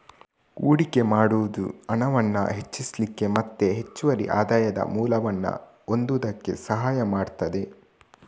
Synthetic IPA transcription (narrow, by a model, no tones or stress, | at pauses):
uːɽike̞maːɽuʋud̪ṵɐnɐʋɐnːɐ̰ɦe̞t͡ʃːislikːe̞mɐt̪ːe̞ɦet͡ʃːuʋɐɾḭʔaːd̪aːjɐd̪ɐ̰muːlɐʋɐnːɐ̰ | o̞nd̪ud̪ɐkːe̞̰sɐɦaːjɐmaːɖt̪ɐd̪e̞